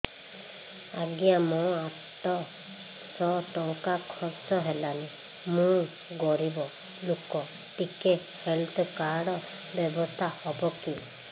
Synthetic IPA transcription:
aɡijamɔ̃aʈɔ | sɔʈɔŋkakʰɔɾt͡ʃɔɦelane | mũ | ɡɔɾibɔ | lokɔ | ʈike | helt̪ʰɔkaɽɔ | bjɔbɔst̪ʰahɔbɔki

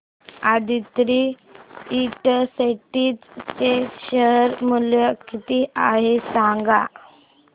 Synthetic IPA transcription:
ad̪ʱit̪ɾiː | ʈəseʈiːt͡st͡seɕəɦəɾmuljəkit̪iʔaɦesãŋɡa

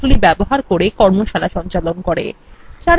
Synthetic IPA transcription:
ulibɛboɦaɾkoɾekɔɾmoʃalaʃɔnt͡ɕalonkoɾḛt͡ɕaɾ

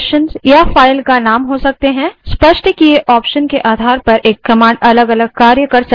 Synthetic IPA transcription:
ʃənzjafaːɪlkanaːmɦosɐk̚t̪eɦɛ̃ːspɐʃʈkieʔɔːpʃənkeʔaːd̪ʱaːɾpɐɾʔeːkːɐmãːɳɖɐləɡɐləɡ̚kaːɾjəkɐɾsɐ

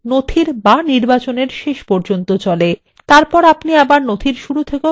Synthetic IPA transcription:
not̪ʰiɾbaniɾbat͡ɕoneɾʃeʃpɔɾd͡ʑont̪ot͡ɕɔle | t̪aɾpɔɾapniabaɾnot̪ʰiɾʃuɾut̪ʰeke

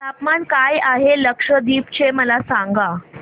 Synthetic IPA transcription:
t̪apmankajaɦeləkʂəd̪iːpt͡ɕeməlasaŋɡa

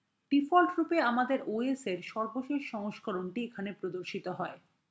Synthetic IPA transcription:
ʈifɔlʈɾupeamad̪eɾoeseɾʃɔɾboʃeʃʃɔŋoʃkoɾonʈiekʰanepɾod̪oɾʃit̪oɦɔe

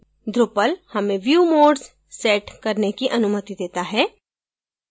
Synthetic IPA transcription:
d̪ɾʊpəlhɐmẽʋjuːmoːɖz | sɛːʈkɐɾnekiʔɐnʊmət̪id̪eːt̪aɦɛː

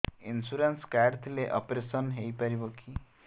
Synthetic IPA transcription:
insuɾanskaɾɖt̪ʰileʔɔ̰pɾesɔnɦejpaɾibɔki

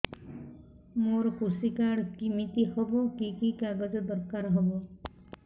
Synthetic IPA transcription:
moɾɔkusikaɽkimit̪ihɔbɔkikikaɡɔd͡ʒɔd̪ɔɾkaɾɦɔbɔ

